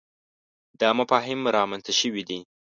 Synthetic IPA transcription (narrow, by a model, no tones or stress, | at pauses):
d̪əamapɑɦɪmɾɑmanst̪aʃəwid̪i